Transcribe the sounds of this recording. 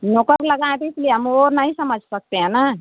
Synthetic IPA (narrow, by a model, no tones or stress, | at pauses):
nokəɾləɡãt̪et̪lieɦəmoɾnaɦĩsəməd͡ʒʱsək̚t̪eɦɛ̃na